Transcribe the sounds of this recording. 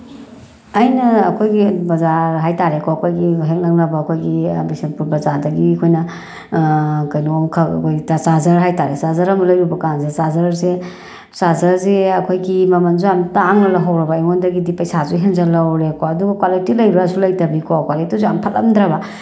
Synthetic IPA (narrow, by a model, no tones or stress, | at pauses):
ɐjnɐːkʰojɡibɐzaɾɦajtaɾekoɐkʰojɡiɦeŋlɐknɐbɐːkʰojɡḭbisɐnpuɾbɐzaɾdɐɡiɐkʰojnɐ | kɐjnuomkʰɐ̰kʰojɡitasazɐɾɦajtaɾesazɐɾɐmɐlɐjɾubɐkanzesazɐɾse | sazɐɾzeɐkʰojɡimɐmɐnzuamtaŋnɐlaɦawɾɐbɐeŋondɐɡidipɐjsazuɦeŋzɐlɐwɾekoɐduɡɐkwalitilɐjbɾasulɐjtɐbikokwalitizuampʰɐlɐ̰md̪ɾɐba